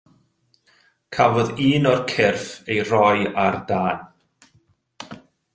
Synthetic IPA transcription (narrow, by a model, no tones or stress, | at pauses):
kʰavɔðiːnɔrkʰɪrfejrɔjardaːn